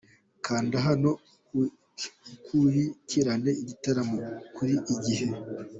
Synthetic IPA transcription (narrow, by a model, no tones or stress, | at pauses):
kʰaːndaɦano̞ | kujiciɾane̞iɟitaɾamokuɾiʔiɟihe̞